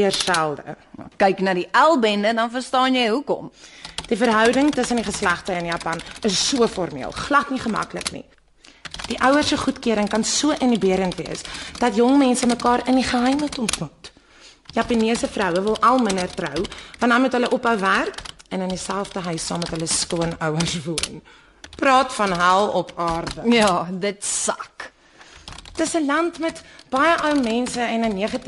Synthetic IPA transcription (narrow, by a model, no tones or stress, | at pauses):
iərsælˠdə̰kɛjknɑːdiʔælˠbɛndədɐnfərstɑːnjɛjɦukɔ̰md̥ifərɦœwdəŋtəsəndiχəslæχtəənjɑːpɐnəsːuəfɔrmḭəlˠχlɐtniχəmɐ̰klə̰knḭ | d̥iʔœwərsəχutkiəɾəŋkɐnsuəʔənibiəɾəntviəsd̥ɐtjɔŋmɛnsəməkɑːɾəniχəɦɛjmətɔmtmut | jɑpɐniəsəfrœwəvəlˠʔɐlˠmənərtrœwvɐnɐnmutɦələʔɔpɦəwværkɛnəndisælˠfdəɦœɥsɑːmːɛtɦələskuənəwərsvurn | prɑːtfɐnɦælˠɔpʰɑːrdəjɑdətsɐk | təsəlɐntmɛtb̥ɐjəʔɐwmɛnsəɛnəniəχɐti